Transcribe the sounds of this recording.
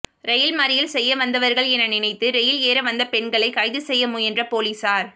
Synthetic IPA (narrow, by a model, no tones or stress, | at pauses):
ɾɛjɪlmɐɾɪjɪlsɛjːɐʋɐnd̪ɐʋɐɾɣɐɭɛnɐnɪnɐɪt̪ːɯɾɛjɪleːɾɐʋɐnd̪ɐpɛɳɡɐɭɐɪkɐɪðɯsɛjːɐmuːɛndrɐpoːliːsaːɾ